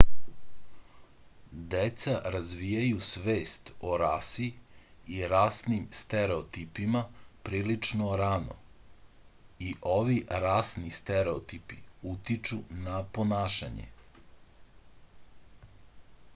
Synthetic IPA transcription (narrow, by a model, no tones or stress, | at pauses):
d̪et̪saɾazʋijajusʋeːst̪oɾasiiɾaːsnimst̪eɾeot̪ipimapɾiːlit͡ʃnoɾano̰ | iʔoʋiɾaːsnist̪eɾeot̪ipiut̪it͡ʃunaponaːʃa̰ɲḛ